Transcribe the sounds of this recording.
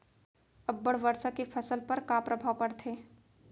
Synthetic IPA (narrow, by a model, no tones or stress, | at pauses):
ɐbːəɽʋɐɾsakefʰɐsəlpɐɾkaːpɾɐbʱaːwpɐɽt̪ʰeː